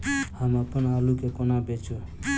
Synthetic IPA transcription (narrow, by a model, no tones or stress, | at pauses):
hamapənalukekɔnabet͡ʃʰu